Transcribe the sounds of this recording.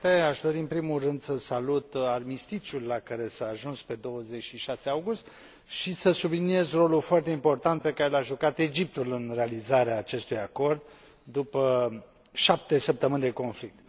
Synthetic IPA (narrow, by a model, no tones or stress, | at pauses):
t̪eaʃd̪o̞ɾiɨnpɾimulrɨnd̪səsalut̪ad̪mist̪it͡ʃulːakaɾe̞saːʒunspe̞d̪o̞wəze̞t͡ʃʃiʃaseawɡust̪ | ʃisəsublinie̞zro̞lulfoart̪e̞impo̞rt̪ant̪̚pe̞kaɾelaʒukat̪e̞d͡ʒip̚t̪ulɨnre̞alizaɾeaːt͡ʃe̞st̪ujako̞rd̪ː | upə | ʃap̚t̪e̞səp̚t̪əmɨnʲd̪e̞ko̞nflik̚t̪